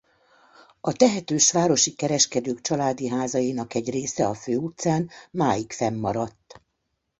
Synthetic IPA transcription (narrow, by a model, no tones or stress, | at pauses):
ɒt̪ɛɦɛt̪øːʃʋaːɾo̞ʃikɛɾɛʃkɛd̪øːkt͡ʃɒlaːd̪iɦaːzɒjinɒkɛɟreːsɛɒføːut̪saːnmaːjikfɛmːɒɾɒt̪ː